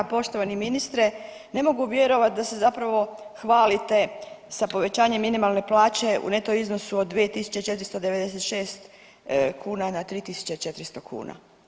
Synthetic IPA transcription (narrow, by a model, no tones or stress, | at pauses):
po̞ʃt̪o̞ʋaniminist̪ɾe̞ | ne̞mo̞ɡuʋje̞ɾo̞ʋat̪̚d̪ase̞zapɾaʋo̞ | xʋaːlit̪e̞sapo̞ʋe̞t͡ɕaːɲe̞mːinimalˠne̞plaːt͡ɕe̞ṵne̞t̪o̞izno̞suod̪dːʋiet̪isu̥t͡ɕet͡ʃe̞t̪ɾist̪od̪e̞ʋed̪e̞set̪ʃe̞ːst̪ | kʰuːnanat̪ɾiːt̪isu̥t͡ɕet͡ʃet̪ɾist̪o̞kʰṵːna̰